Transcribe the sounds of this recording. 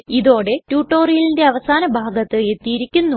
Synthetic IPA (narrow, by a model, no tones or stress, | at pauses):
iðo̞ːɽe̞tjuːʈːo̞ːrijilinde̞ɐʋɐsaːnɐbʱaːɡɐt̪ːɨe̞t̪ːijiɾikʲːunːu